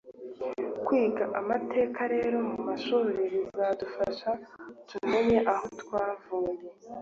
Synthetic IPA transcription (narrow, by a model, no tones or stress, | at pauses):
kwiːɡaʔamatʰe̞ːkʰaɾe̞ːɾo̞mumaʃuːɾiɾizadufaʃatume̞ɲe̞ʔaho̞twaːvuːje̞